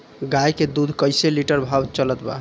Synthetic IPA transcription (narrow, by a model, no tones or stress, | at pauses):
ɡajked̪ud̪ʱkəjseliʈəɾbʱabt͡ʃələt̪ba̰